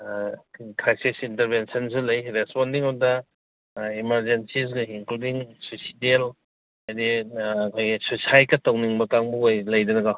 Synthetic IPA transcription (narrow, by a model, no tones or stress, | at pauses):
kʰɾajsisinteɾbensɐns̬ulɐjɾespɔndiŋɔdɐ | imɐɾd͡ʒensis̬ɡɐiŋkludiŋsusidel | adikʰojɡisusajkɐtawniŋbɐkaŋbujlɐjdɐnɐɡa